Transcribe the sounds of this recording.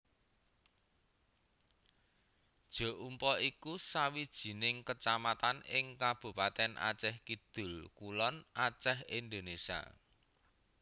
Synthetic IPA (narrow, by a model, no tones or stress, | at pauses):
d̥ʒ̥ɔ̤ʔumpɔʔikusawid̥ʒ̥i̤nɪŋkət͡ʃamat̪anɪŋkab̥ṳpat̪ɛnʔa̰t͡ʃɛhkid̪̥ʊ̤lkulɔnʔat͡ʃɛhind̪o̤nesa̰